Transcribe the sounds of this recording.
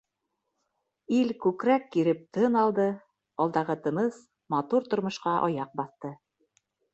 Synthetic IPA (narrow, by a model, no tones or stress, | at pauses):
ilkʉkɾækːiɾɘp̚t̪ɤnɑlˠd̪ɤ | ɒlˠd̪ɑʁɤt̪ɤ̆nɤs | mɑt̪uɾt̪ŏɾmŏʃqɑʔɒ̰jɑq̚bɑθt̪ɤ